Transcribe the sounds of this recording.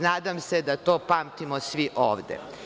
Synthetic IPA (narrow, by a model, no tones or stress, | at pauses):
naːd̪amsed̪at̪oːpaːmt̪imosʋiʔoːʋd̪ḛ